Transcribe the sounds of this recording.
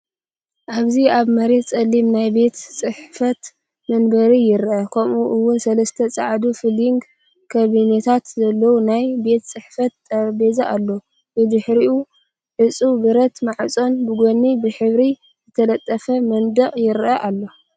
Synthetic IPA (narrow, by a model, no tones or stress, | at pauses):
ʔaβziaβmɐɾe̞t̪t͡sʼɐlːimnajbe̞t̪sʼɨħfɐt̪ | mɐnbɐɾijɪɾʔɐkʰɐmʔuʔɨwʊnsɐlɐst̪ʰɐt͡sʼa̰ʕd̪ufɨliŋɡ | kʰɐβinet̪ʰat̪zɐlːɐwunajbe̞t̪t͡sʼɨħfɐt̪ːʼɐbezaʔalːo̞ | bɨd̪ɨħɾiʔu | ħɨt͡sʼubɨɾɐt̪maʕt͡sʼo̞nbɨɡonːibɨħɨβɾi | zɨt̪ʰɐlɐt̪ʼːɐfɐmɐnd̪ɐʔʼjɪɾʔɐʔalːo̞